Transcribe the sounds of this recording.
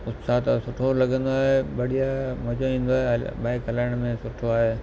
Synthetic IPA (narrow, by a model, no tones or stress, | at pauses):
ʊssat̪sʊʈʰolɐɡə̃nd̪oaːɦebɐɽ̤ijamɐd͡ʑoĩːn̆d̪oaːɦebaːɪkɦɐlaːɪɽ̃mẽsʊʈʰoaːɦeː